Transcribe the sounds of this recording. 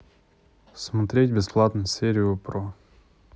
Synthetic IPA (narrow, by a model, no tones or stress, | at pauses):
smɐt̪ɾʲetʲbʲɪsplˠat̪nʊjsʲeɾʲɪjʊpɾo